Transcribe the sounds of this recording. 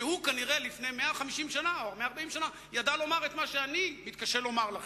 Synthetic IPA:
hukaniʁelifnejmeaχamiʃimʃanaoaʁmeaːʁbaimʃana | jad̪alo̞maʁet̪maʃeanimit̪̚kaʃelo̞maʁlaχ

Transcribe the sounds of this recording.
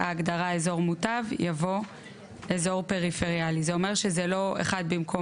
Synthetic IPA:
aːɡdaʁaezo̞ʁmutavjavo̞ | ʔezo̞ʁpe̞ʁife̞ʁijalizeome̞ʁʃezeloḛχad̚bimkʰo

